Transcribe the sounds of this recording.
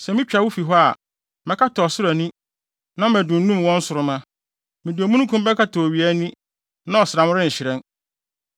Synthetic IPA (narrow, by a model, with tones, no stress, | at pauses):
sɛ˨mĩ˦t͡ɕᶣa˨wʊ˦fi˨ɦɔ˦a˨ | mɛ̃˨kʰa˦tʰɔ˨sʊ˦ɾa˨nĩ˦ | nã˦mæ˨dʊ̃˨n̩˦nũ˦m˨wɔ̃˦n̩˦sʊ˨ɾʊ˦mã˦ | mɪ̃˨dɪ˨o˨mũ˦nũ˦kʰũ˦m˦bɛ˦kʰa˦tʰɔ˨ɥi˨æ˦nĩ˦ | nã˦ɔ˨sɪ˨ɾa˨mʊ̃˦ɾɪ̃˦ɲ̩˨ɕɪ˨ɾɛ̃˦n